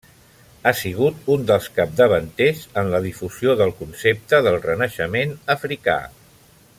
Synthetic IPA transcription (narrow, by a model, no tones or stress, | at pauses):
asiɣ̞ut̪und̪əlˠskap̚d̪əβənt̪ezənləð̞ifuzijoðəlˠkunsep̚t̪əðəlˠrənəʃəmenəfɾika̰